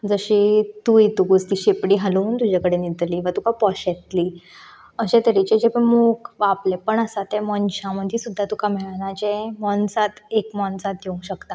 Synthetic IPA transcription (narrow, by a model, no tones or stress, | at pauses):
d͡zəɕit̪ujit̪uɡust̪iɕepɽiːɦəluːnt̪ud͡ʑakəɽenid̪liːʋat̪ukapɔɕɛt̪liː | əɕẽt̪əɾit͡ɕed͡ʑepəmukʋaplepəɳəsat̪ɛ̃mɔnɕãməd̪ʱjisud̪ʱːat̪ukamɛɭnat͡ɕẽmɔnsat̪ekmɔnsat̪̚d̪eũŋɕəkt̪a